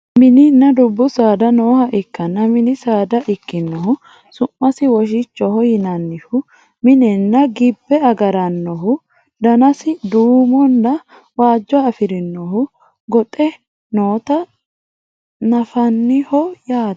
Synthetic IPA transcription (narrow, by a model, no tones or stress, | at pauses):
mɪnɪnːɐd̪ʊbːʊsaːd̪ɐnoːhɐʔɪkːɐnːɐmɪnɪsaːd̪ɐʔɪkːɪnːɔhʊ | sʊmːɐsɪwɔʃ̬ɪt͡ʃːɔhɔjɪnɐnːɪhʊ | mɪnɛnːɐɡɪbːɛɐɡɐɾɐnːɔɦʊ | d̪ɐnɐsɪd̪uːmɔnd̪ɐ | waːd͡ʒːɔːfɪɾɪnːɔhʊ | ɡɔt̪ʼɛ | noːt̪ɐ | nɐfɐnːɪhɔjaː